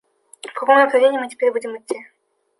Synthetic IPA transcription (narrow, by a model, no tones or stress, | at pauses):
fkɐkomnɐpɾɐvʲenʲiːmɨtʲɪ̥pʲeɾʲbudʲɪmɨtʲːi